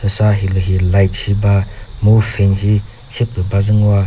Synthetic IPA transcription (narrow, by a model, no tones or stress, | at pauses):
ɯsaɦilɯɦilajt̚hibamupʰenhi | sep̚ɾɯbazɯŋwa